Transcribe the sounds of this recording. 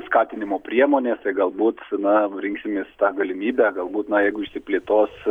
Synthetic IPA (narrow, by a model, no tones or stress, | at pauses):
skɑːt̪ʲɪnʲɪmoːpʲɾʲiɛmoːnʲeːst̪ɐɪɡɐlˠbuːt̪nɐɾʲɪŋksʲɪmʲeːst̪ɑːɡɐlʲɪmʲiːbʲæːɡɐlˠbuːt̪nɐjɛɪɡʊɪʃʲsʲɪpʲlʲeːt̪oːs